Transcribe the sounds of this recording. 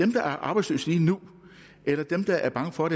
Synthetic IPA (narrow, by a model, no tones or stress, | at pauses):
d̥emd̥ɑ̈ʔæɐʔɑ̈ːb̥ɑ̈ɪslø̰ːsliːnu | ʔelɐd̥emd̥ɑ̈ʔæɐb̥ɑ̈ŋəfɒ̽ɾe